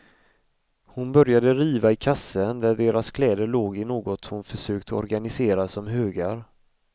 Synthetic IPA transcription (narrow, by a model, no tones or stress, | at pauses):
hʊnbœɾjad̪əɾiːvaɪkʰasːənd̪æɖeːɾaskʰlɛːd̪əɭoːɡɪnoːɡɔt̪hʊnfœʂøːkt̪ʰəɔ̰ɾɡanɪseːɾasɔmɦøːɡaɾ